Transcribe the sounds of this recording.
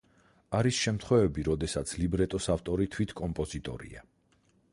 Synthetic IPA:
aɾisʃɛmt̪ʰχwɛvɛbiɾɔd̪ɛsat̪sʰlibɾɛt̪ʼɔsaft̪ʼɔɾit̪ʰwit̪ʰkʼɔmpʼɔzit̪ʼɔ̰ɾḭa

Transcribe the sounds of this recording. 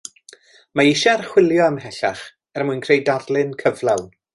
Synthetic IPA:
maɪʃɛrχwɪlˠjɔəmɦɛɬaχ | ɛrmujnkʰrejdadlˠɨnkʰəvlˠawn

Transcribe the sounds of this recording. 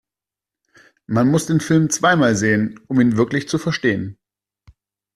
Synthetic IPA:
manmʊsd̥eːnfɪlmt͡sv̥aɪmaːlzeːənʊmiːnvɪɐklɪçt͡sufɛɐʃteːən

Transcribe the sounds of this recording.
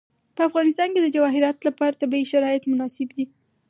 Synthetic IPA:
pəafɣɑnɪst̪ɑnked̪əd͡ʒawɑɦɪɾɑt̪lapɑɾat̪abiiʃaɾɑjɪt̪mʊnɑsɪbd̪i

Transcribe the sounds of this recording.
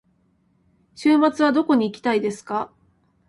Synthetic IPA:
ɕɨːmat͡sɨβ̞ad̪o̞ko̞ɲ̟iːkʲi̥t̪aid̪e̞sɨ̥ka

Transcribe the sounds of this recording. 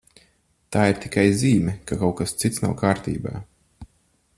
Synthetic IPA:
t̪aːiɾt̪i̥kajziːmʲɛkakawkast̪sit̪sna̰wkaːɾt̪ḭːba̰ː

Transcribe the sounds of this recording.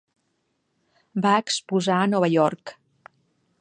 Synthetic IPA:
baəkspuzaənɔβəʎɔɾk

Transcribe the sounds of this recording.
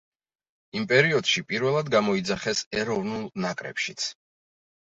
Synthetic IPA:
impʼɛɾiɔd̪̥ʃipʼiɾvɛlˠad̪ɡamɔid̪zaχɛsɛɾɔvnulˠnakʼɾɛ̰pʃit̪sʰ

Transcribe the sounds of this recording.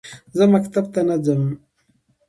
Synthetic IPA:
zəmakt̪ab̚t̪anad͡zəm

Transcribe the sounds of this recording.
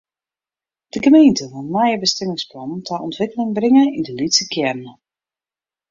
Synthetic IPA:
d̥əɡəmejntəvɔnmajəbəstɪmɪŋsplɔntʰaʔɔntʋɪkəlɪŋbrɪŋəindəlitsəkjɛrnə

